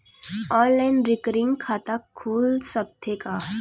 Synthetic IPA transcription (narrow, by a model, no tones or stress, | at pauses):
ɔːɾlɛ̃ːnɾɪkɾɪ̃ŋɡkʰːaːt̪akʰːuːlsəb̚t̪ʰeka